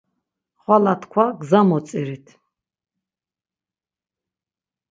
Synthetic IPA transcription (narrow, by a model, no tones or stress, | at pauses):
χwalat̪ʰkʰwaɡzamɔt̪sʼiɾit̪ʰ